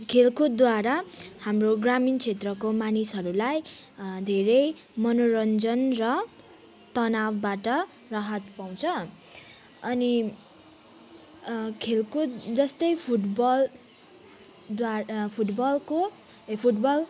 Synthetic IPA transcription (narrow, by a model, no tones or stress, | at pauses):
kʰelkod̪waɾahamroɡramint͡sʰet̪rʌkomanisɦʌɾulajd̪ʱeɾʌj | mʌnoɾʌnd͡zʌnrʌ | t̪ʌnawbaʈʌ | rʌɦʌt̪paw̃t͡sʰʌ | ʌni | kʰelkod͡zʌst̪ʌjpʰuʈbʌl | d̪apʰuʈbʌlko | pʰuʈbʌl